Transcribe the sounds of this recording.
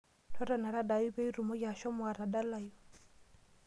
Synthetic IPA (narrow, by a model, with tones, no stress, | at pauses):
tʰɔ˦ɾɔ˨na˨ɾa˦da˨i˦bɛ˦i˦ɾu˨mɔ˦ja˨ʃɔ˦mʊ˨a˨ɾa˨da˦la˦jɔ˨